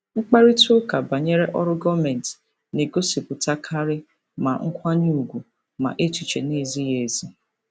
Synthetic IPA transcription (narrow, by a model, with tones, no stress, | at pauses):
ŋ͡m̩˦k͡pa˦ɾi˦tʊ˦ka˨ba˨ɲe˦ɾe˦ʔɔ˦ɾʊ˦ɡɔ˦mɛ˨n˨t | ne˨ɡo˦si˨pʊ˨ta˦kʰa˦ɾɪ˦ | ma˨ŋ̩˦kʷa˦ɲ˦u˨ɡʷu˨ | ma̰˨ʔe˦tu˨t͡ʃe˨ne˦˨zi˦je˨zi˦